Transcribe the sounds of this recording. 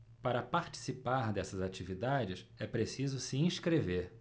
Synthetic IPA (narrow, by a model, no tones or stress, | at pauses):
paɾɐpaɾt͡ʃi̥sipaɾd̪ɛsɐzat͡ʃivid̪ad͡ʒɪʃɛpɾesizʊsiĩʃkɾeveɾ